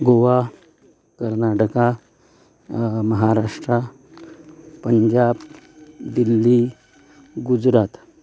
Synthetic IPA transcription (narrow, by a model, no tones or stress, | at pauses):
ɡoʋa | kəɾnaʈəka | məɦaɾaʂʈɾa | pəɲd͡ʑab | d̪ilːi | ɡud͡zɾat̪